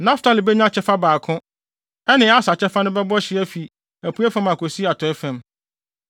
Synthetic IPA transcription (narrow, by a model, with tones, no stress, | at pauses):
nã˦ftʰa˦li˨bɛ˦ɲ˦ã˦t͡ɕʰɛ˦fa˦baː˨kʰʊ̃˦ | ɛ˦nɪ̃˨˦a˦sa˨t͡ɕʰɛ˦fa˦nʊ̃˦bɛ˦bɔ˦ɕɪ˨˦æ˦fi˨ | æ˨pʰu˨˦ɛ˦fã˦mã˨kʰo˨si˦a˨tʰɔ˨˦ɛ˦fæ̃˨m